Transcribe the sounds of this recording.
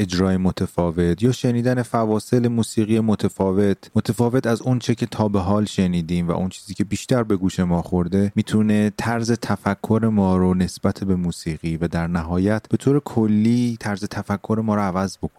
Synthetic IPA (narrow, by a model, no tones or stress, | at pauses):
e̞d͡ʒɾɒːjemot̪ʰefɒːve̞t̪ʰjɒːʃe̞niːd̪æne̞fævɒːse̞le̞muːsiːɣijemot̪ʰefɒːve̞t̪ʰmot̪ʰefɒːve̞t̪ʰæzont͡ʃʰecʰe̞t̪ʰɒːbe̞ɦɒːlʃe̞niːd̪iːmvæ̰ʔont͡ʃʰiːziːcʰe̞biːʃt̪æɾbe̞ɡuːʃe̞mɒːxoɾd̪e̞miːt̪ʰune̞t̪ʰæɾze̞t̪ʰæfækʰːo̞ɾe̞mɒːɾone̞sb̥æt̪ʰebe̞muːsiːɣiːvæd̪æɾnæɦɒːjæt̪ʰbe̞t̪ʰoːɾe̞kʰolːiːt̪ʰæɾze̞t̪ʰæfækʰːo̞ɾe̞mɒːɾoævæzbo̞kʰon